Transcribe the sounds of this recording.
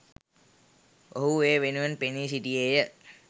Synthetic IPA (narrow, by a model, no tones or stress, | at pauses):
oɦueːʋenuʋenpenisiʈiejə